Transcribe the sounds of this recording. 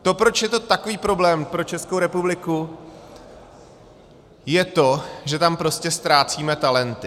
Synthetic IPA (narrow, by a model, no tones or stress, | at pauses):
t̪o̞pɾo̞t͡ʃjɛt̪o̞t̪ako̞viːpɾo̞blɛːmpɾo̞t͡ʃɛskowɾɛpublɪku | jɛt̪o̞ʒɛt̪ampɾo̞scɛst̪ɾaːt͡siːmɛt̪alɛnt̪ɪ